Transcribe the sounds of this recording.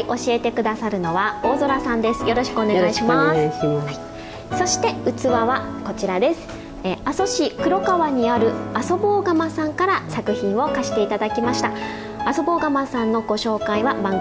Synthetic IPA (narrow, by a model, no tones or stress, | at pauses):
iʔo̞ɕie̞t̪e̞kɯ̟d̪asaɾɯ̟no̞βao̞ːzo̞ɾasãnd̪e̞sɨ̥jo̞ɾo̞ɕi̥kɯoneɡaiɕimas | so̞ɕi̥t̪e̞ɯ̟t͡sɨβaβako̞t͡ɕiɾad̪e̞sɨ̥ | easo̞ɕikɯ̟ɾo̞kaβaɲ̟iaɾɯ̟aso̞boːɡamasãŋkaɾasakɯ̟çĩɰ̃βo̞kaɕi̥t̪e̞it̪ad̪akʲimaɕi̥t̪a | aso̞bo̞ːɡamasãnːo̞ɡo̞ɕo̞ːkaiβabãŋɡ